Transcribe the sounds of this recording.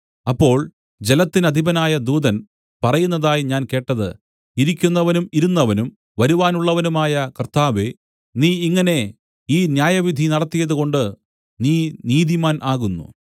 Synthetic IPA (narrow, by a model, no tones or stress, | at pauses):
ɐpːo̞ːɭ | d͡ʑe̞lɐt̪ːinɐd̪ʱibɐnaːjɐd̪uːd̪ɐn | pɐrɐjunːɐðaːjiɲaːnke̞ːʈːɐðɨ̰ | iɾikʲːunːɐʋɐnumiɾunːɐʋɐnum | ʋɐɾuʋaːnuɭːɐʋɐnumaːjɐkɐrt̪aːʋe | niːiŋːɐne̞ | iːnjaːjɐʋid̪ʱinɐɽɐt̪ːijɐðuɣo̞ɳɖɨ | niːniːd̪imaːnʔaːɣunːṵ